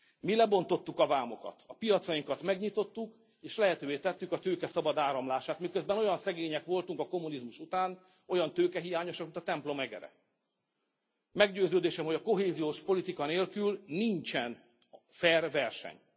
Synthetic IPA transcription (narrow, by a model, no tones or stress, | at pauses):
milɛbo̞n̪t̪o̞t̪ːukɒvaːmo̞kɒ̰t̪ɒpijɒt̪sɒjiŋkɒt̪mɛɡɲit̪o̞t̪ːuk | eːʃlɛɦɛt̪øːveːt̪ɛt̪ːykɒt̪øːkɛsɒbɒd̪aːɾɒmlaːʃaːt̪mikø̞zbɛno̞jɒnsɛɡeːɲɛkʋo̞lt̪uŋkɒko̞mːunizmuʃut̪aːn | o̞jɒnt̪øːkɛɦijaːɲo̞ʃɒkmint̪ɒt̪ɛmplo̞mɛɡɛ̰ɾɛ̰ | mɛɡɟøːzøːd̪eːʃɛmho̞ɟɒko̞ɦeːzijoːʃpo̞lit̪ikɒneːlkylniɲt͡ʃɛn | fɛrvɛrʃɛ̰ɲ